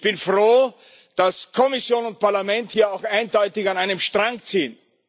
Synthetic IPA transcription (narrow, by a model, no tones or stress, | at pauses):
çb̥ɪnfʁoː | d̥askʰɔmɪsjoːnʊnt̚pʰaɐlamɛnthiːɐaʊxaɪndɔʏtɪçanaɪnəmʃtʁ̥aŋkt͡siːən